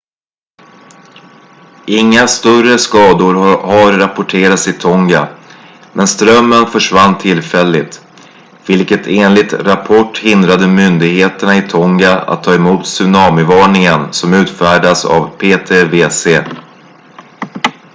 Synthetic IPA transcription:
ɪŋːast̪œrəskɑːd̪ʊɾhaɾːapʊʈʰeːɾat̪sɪt̪ʰɔŋɡa | mʔɛnst̪ɾœmːənfœʂvanːt̪ʰɪlfɛlːɪt̪ | vɪlkət̪ʰeːnlɪt̪ɾapʰɔʈːhɪnd̪ɾad̪əmʏnd̪ɪɡheːt̪əɳaɪt̪ʰɔŋɡaa̰t̪ʰːɑːɛmuːt̪sɵnɑːmʏvɑːɳɪŋənsɔmʉ̟ːt̪fæːɖasa̰vpʰeːt̪ʰeːveːseː

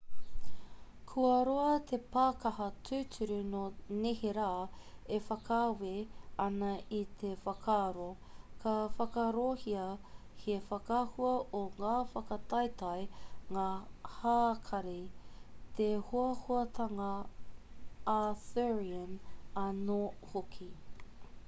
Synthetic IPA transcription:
kʰuɐɾoɐt̪ʰepaːkɐhɐtʰʉːtʰʉɾunoneheɾaːefɐkʰaːweɐnɐʔit̪ʰefɐkʰaːɾo | kʰɐfɐkɐɾohiɐhefɐkahuɐʔoŋaːfɐkɐt̪ɐjt̪ɐjŋaːhaːkʰɐɾe | t̪ehuɐhoɐt̪ʰɐŋɐ | aθɛɹiənɐnohokʰi

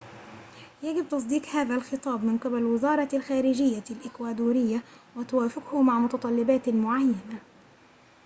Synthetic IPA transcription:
jaɡɪb̚t̪ɑs̬ˤd̪iːqhaːðalxɨt̪ˤɑːbmɪnqɪbalwɪzɑːɾˤɑlxaːɾɪd͡ʒɪjːalʔɪkwaːd̪uːɾɪjːawat̪ʊwaːfɪqhʊmaʕmʊt̪ɑt̪ˤɑlːɪbaːt̪mʊʕajːana

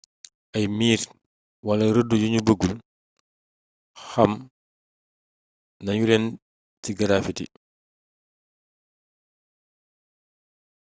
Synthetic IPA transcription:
ʔɐjmiːr | wɐlɐɾədːujuɲubəɡːul | xɐm | nɐɲulɛn | tiɡɐɾafitḭ

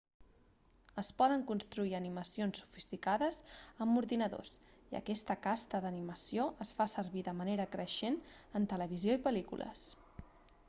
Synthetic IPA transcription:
əspɔðəŋkunst̪ɾuiəniməsionsːu̥fist̪ikaðəzəmuɾðinəðo̰siə̰kɛst̪əkast̪əðəniməsioʔəsfasəɾβiðəməneɾəkɾəʃenənt̪ələβ̞izjoipəlikṵlʔə̰s

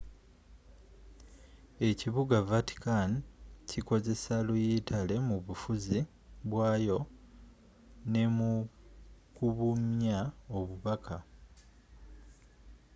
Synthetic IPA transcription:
e̞ciβuɡavati̥kancʰiko̞ze̞salujitʰale̞muβufuzi | βwaːjo̞ | ne̞mu | kuβumjaoβuβakʰa

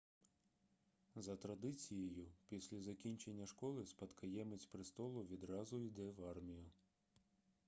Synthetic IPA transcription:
zɐt̪ɾɐd̪ɪt͡sʲijejʊpʲisʲlʲɐzɐkʲinʲt͡ʃenʲːɐʃkɔlˠɪspɐt̪kʰɐjɛmet͡sʲpɾɪst̪ɔlˠʊʋʲid̪ɾɑzʊid̪ɛʋɑrmʲijʊ

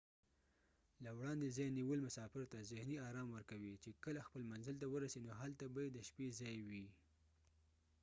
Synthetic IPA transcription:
lawɽɑnd̪ezɑjniwəlmʊsɑfɪɾt̪azɪhniɑɾɑmwəɾkawit͡ʃekəlaxpəlmanzəlt̪awəɾasenoɦalt̪abajed̪əʃpezɑjwi

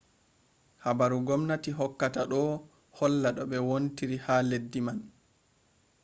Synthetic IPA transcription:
habaɾuɡɔmnatiɦɔkːataɗɔ | hɔlːaɗɔɓɛwontiɾihaledːiman

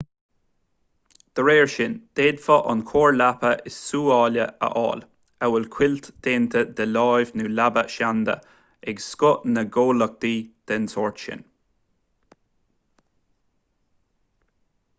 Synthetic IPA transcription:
d̪̥əɹeːɹʃɪnd̪̥eːd̪fɔʔɑ̰nkʰoːɹlapəʔɪsːuːɑːləʔə̰ʔɑ̰ːl | əwɪlkʰwɪlt̪d̪̥eːnt̪ʰəd̪əlɑːjvnuːlabəʃand̪ə̰ | ɛɡskʊʔnəɡoːlək̚d̪iːd̪̥ɛnsoːɹt̪ʃɪ̰n

